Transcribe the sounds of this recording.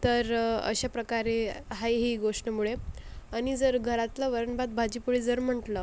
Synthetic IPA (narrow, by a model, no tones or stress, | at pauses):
t̪əɾə̰ɕapɾəkaɾeɦajɦiːɡoʂʈəmuɭeañid͡zəɾɡʱəɾat̪ləʋəɾəɳbat̪̚bʱad͡ʑipuɭid͡zəɾm̤əʈlə